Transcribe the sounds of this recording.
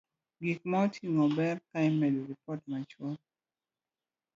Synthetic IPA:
ɡik̚maɔtʰiŋɔbɛrkaimedoɾipɔtmat͡ʃwɔl

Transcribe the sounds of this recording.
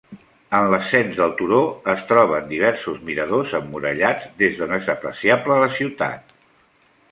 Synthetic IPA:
ənləsɛnzðəlˠt̪uɾoəst̪ɾɔβ̞ənd̪iβ̞ɛɾsuzmiɾəðozəmːuɾə̰ʎad͡zd̪ezðonezəpɾə̰siabləːləsiwt̪a̰t̪̚

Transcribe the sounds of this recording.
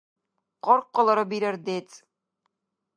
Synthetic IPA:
qɒɾqːŏlˠɤ̆ɾɤbiɾɘɾd̪et̪

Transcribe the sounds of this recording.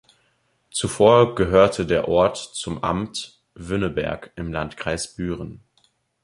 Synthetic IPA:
t͡sufoːɐɡəɦøːɐtʰədeːɐʔɔɐtt͡sʊmʔa̰mt | vʏnəbɛ̰ɐkɪmlantkʁ̥aɪsb̥yːʁən

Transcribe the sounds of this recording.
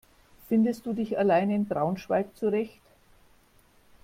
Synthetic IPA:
fɪndəst̚d̥uːdɪçalaɪnɪnbʁaʊnʃv̥alk̚t͡suʁɛçt

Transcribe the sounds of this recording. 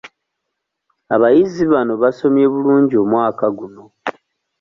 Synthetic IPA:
aβajiziβano̞βaso̞mje̞βuluːɲɟio̞mwaːkaɡuno̞

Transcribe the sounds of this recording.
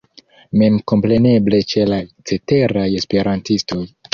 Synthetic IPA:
me̞mko̞mpɾe̞ne̞ble̞t͡ʃe̞lat͡se̞te̞ɾaje̞spe̞ɾantisto̞j

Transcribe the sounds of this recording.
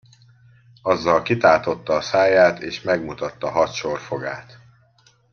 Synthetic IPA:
ɒzːɒlkit̪aːlt̪o̞t̪ːɒːsaːjaːt̪eːʃmɛɡmut̪ɒt̪ːɒɦɒt̪ʃorfo̞ɡaːt̪

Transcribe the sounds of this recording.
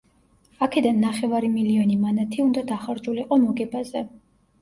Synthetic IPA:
akʰɛd̪anːaχɛvaɾimiliɔnimanat̪ʰiund̪ad̪aχaɾd͡ʒuliqʼɔmɔɡɛbazɛ

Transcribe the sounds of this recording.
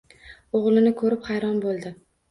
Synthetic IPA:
oʁlˠɪnɪkʰɵɾɪphɑjɾɒnbolˠd̪ɪ

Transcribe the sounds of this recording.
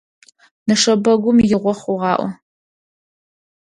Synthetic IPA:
nɨʂɐbɐɡʷʊmjɪʁʷɔχuʁɑːʔʷɔ̰

